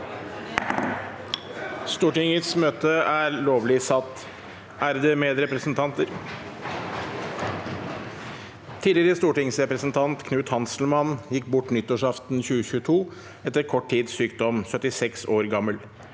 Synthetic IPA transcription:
st̪uːʈɪŋət̪smøːt̪əæːɾloːʋlɪsɑt̪ː | ʔæːɾd̪ɛmeːd̪ɾɛpɾəsnt̪ʰɑnt̪əɾ | t̪ʰiːdlɪɾəst̪uːʈɪŋsɾɛpɾəsnt̪ʰɑnt̪kʰnʉːt̪hɑnsl̩mɑnjɪkːbʊʈːnʏt̪ːʊʂɑft̪nçʉːəçʉːt̪ʰuː | ɛt̪ːəɾkʰɔʈʰːiːd̪ssyːkd̪ɔmsœt̪ɪsɛksoːɾɡɑməl

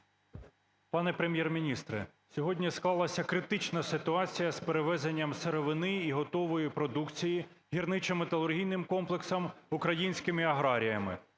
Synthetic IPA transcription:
pɑnɛpɾemʲjɛrmʲinʲist̪ɾɛ̰ | sʲɔɦɔdʲnʲisklˠɑlˠɐsʲɐkɾɪt̪ɪt͡ʃnɐsɪt̪ʊɑt͡sʲijɐspeɾeʋɛzenʲːɐmseɾɔʋɪnɪiɦɔt̪ɔʋɔjipɾɔd̪ukt͡sʲiji | ɦʲirnɪt͡ʃɐmet̪ɐlˠʊrɦʲijnɪmkɔmplˠeksɐmukɾɐjinʲsʲkɪmɪɐɦɾɑɾʲijɐmɪ̰

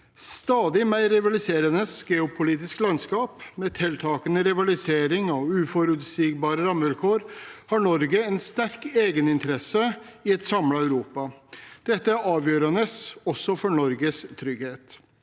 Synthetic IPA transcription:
st̪ɑːd̪ɪmæɪɾɪʋɑlɪseːɾənəsɡ̥ɛːʊpʰʊliːt̪ɪsklɑnskɑːpmeːt̪ʰɛlt̪ʰɑːkənəɾɪʋɑlɪseːɾɪŋɔʉːfɔɾʉt̪siːɡbɑːɾəɾɑmːʋɪlkʰoːɾhɑɳɔɾɡəɛnst̪æɾkeːɡənɪnt̪əɾɛsəɪɛt̪sɑmlɑæʉɾuːpɑd̪̥ɛt̪ːəɑːʋjøːɾənəsɔsːɔfɔɳɔɾɡəst̪ʰɾʏɡheːt̪

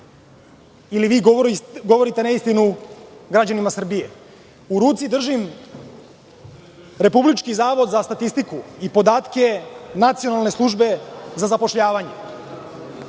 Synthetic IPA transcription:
iliʋiːɡoɾɡo̞ʋo̞ɾit̪e̞naist̪inuɡɾad͡ʑanimasr̩bije | uɾuːt̪sid̪r̩ʒim | ɾe̞publit͡ʃkizaːʋo̞d̪zast̪at̪ist̪ikuipo̞d̪aːt̪ke̞nat̪sio̞nalˠne̞slˠuʒbe̞zazapo̞ʃʎaːʋaɲe

